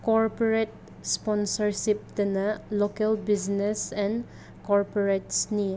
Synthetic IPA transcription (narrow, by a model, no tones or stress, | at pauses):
kɔɾpoɾet̚ | spɔnsɐɾsip̚dɐnɐlokelbiznesɛn | kɔɾpoɾetsni